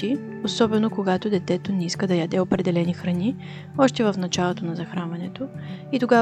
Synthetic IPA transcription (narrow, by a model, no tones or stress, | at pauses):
i | osɔbɛnokoɡat̪od̪ɛt̪ɛt̪onɛiskəd̪ɐjɐd̪ɛopɾɛd̪ɛlɛnixɾɐni | ɔʃt̪ɛvəfnɐt͡ʃalˠot̪onɐzɐxɾanvɐnɛt̪oit̪oɡa